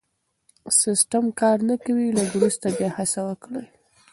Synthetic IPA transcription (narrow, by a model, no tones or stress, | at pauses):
sɪsʈamkɑɾnakawilaɡ̪ɾust̪abjɑhasawəkɽəj